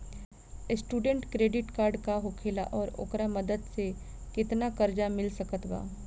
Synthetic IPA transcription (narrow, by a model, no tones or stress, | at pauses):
sʈuːɖə̃ɳʈkɾeːɖɪʈkaːɾɖkaɦʊkʰeːla̰ʔɔːɾʊ̰kɾamɐd̪əd̪se | kɪt̪nakɐɾd͡ʒamɪlsɐkət̪ɡa̰ː